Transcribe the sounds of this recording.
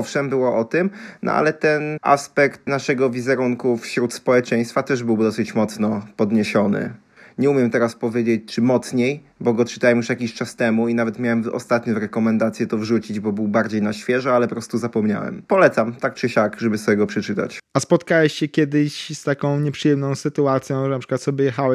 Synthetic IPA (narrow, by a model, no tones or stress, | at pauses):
ɔfʂɛmbɘwɔʔɔt̪ɘmnʔɔ̰ʔa̰lɛt̪ɛnʔa̰spɛkt̪naʂɛɡɔvʲizɛɾuŋkufɕɾut̪spɔwɛt͡ʂɛ̃j̃st̪fat̪ɛʐbɘwd̪ɔsɘt͡ɕmɔt̪snɔpɔd̪ɲeɕɔnɘ̰ | ɲɛumʲjɛmt̪ɛɾaspɔvʲjed͡ʑet͡ɕt͡ʂɘmɔt̪sɲej | bɔɡɔt͡ʂɨ̥t̪awɛmjuʂjakʲiɕt͡ʂast̪ɛmuinavɛt̪mʲjawɛmɔ̰st̪at̪ɲɔvɾɛkɔmɛnd̪at̪sʲjɛt̪ɔvʐut͡ɕid͡ʑbɔbɘwbaɾd͡ʑejnaɕfʲjɛʐɛalɛpɔpɾɔst̪uzapɔmɲa̰wɛ̰mpɔlɛt̪samt̪ak̚t͡ʂɘɕakʐɛbɘsɔjɛɡɔpʂɛt͡ʂɘt̪a̰t͡ɕaspɔt̪kawɛɕɕɛkʲjɛd̪ɪɕst̪akɔ̃w̃ɲɛpʂɨjɛmnɔ̃w̃sɘt̪uat̪sʲjɔ̃w̃ʐɛnapʂɘ̥kwat̪sɔbʲjɛjɛxawɛ